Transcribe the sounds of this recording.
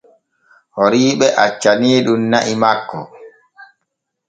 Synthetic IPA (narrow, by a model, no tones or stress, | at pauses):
hoɾiːɓɛʔat͡ʃːaniːɗumnaʔimakːɔ̰